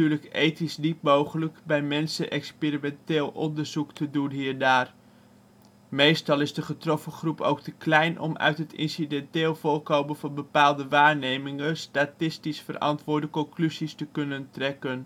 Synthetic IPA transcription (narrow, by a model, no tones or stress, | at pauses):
yːɹləkejtisdip̚mowχələkbɛjmɛnsəʔɛkspirimɛnteːlˠʔɔndəɹzuktədunɦiːɹdaːr | mejstɑlˠɪzdəχətrɔfəχrupo̰wktəklɛjnʔɔ̰mœ̰ɥtɦətɪ̰nsidɛntɪːlˠvʊɹkowmənvɑnbəpaːlˠdəʋaːɹnejmɪŋəstatɪstisfərɑ̰ntʋʊːɹdəkɔŋklyzistəkɵnəntrɛkən